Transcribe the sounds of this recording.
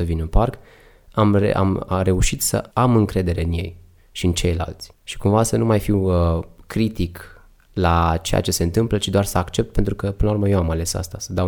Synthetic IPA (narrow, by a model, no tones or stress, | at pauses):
səvinɨnpark | amḛa̰mre̞uʃit̪sə̰amɨŋkɾe̞d̪e̞ɾe̞ɨnje̞j | ʃiɨnt͡ʃe̞jla̰lt̪sʲʃi̥kumvasənumajfiwkɾit̪ik | lat͡ʃe̞ja̰t͡ʃe̞se̞ɨnt̪ɨmplət͡ʃid̪oarsəakt͡ʃe̞p̚t̪pe̞nt̪ɾukəpɨnlaurməje̞wamale̞sa̰st̪asəd̪a